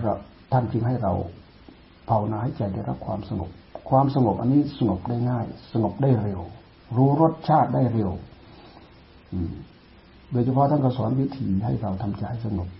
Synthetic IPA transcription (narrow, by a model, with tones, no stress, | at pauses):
a̰˧˩ | t̪ʰa˥˩nt͡ɕɯ˧ŋɦa˥˩jɾa˧w | pʰa˧˩wnaː˧ha˥˩jt͡ɕa˧˩jdaː˥˩jɾa˦˥p̚kʰwaː˧msa˧ŋo̰˨˩p̚kʰwaː˧msa˧ŋo˨˩p̚ʔa̰˧nːiː˦˥˩sa˧ŋo˨˩p̚daː˥˩jŋaː˥˩jsa˧ŋo˨˩p̚daː˥˩jɾe˧w | ɾuː˦˥ɾo˦˥˩t̪̚t͡ɕʰaː˥˩t̪̚daː˥˩jɾe˧w | ʔɯː˨˩m | doː˧jt͡ɕʰpʰɔ˦˥t̪ʰa˥˨nkʰɔ˧˩sɔː˩˦nwi˦˥t̪ʰiː˧ɦa˥˩jɾa˧wt̪ʰa˧mt͡ɕa˧˩js̬a˧ŋo˨˩p̚